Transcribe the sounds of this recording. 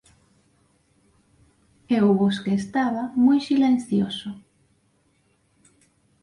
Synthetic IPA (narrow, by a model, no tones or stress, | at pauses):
ewβoskeːst̪aβamujsilen̟θjoso